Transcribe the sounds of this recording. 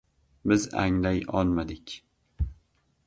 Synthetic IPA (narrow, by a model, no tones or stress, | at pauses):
bɪza̰ŋlajɒlˠmad̪ɪkʲ